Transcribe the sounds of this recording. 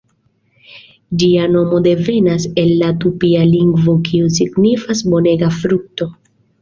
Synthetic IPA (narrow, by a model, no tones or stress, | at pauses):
d͡ʒiano̞mo̞de̞ve̞nase̞lːatupialiŋɡvo̞kiusiɡnifasbo̞ne̞ɡafɾuk̚to̞